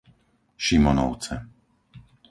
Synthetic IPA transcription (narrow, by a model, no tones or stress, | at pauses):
ʃimɔnɔ̰ʊt͡sɛ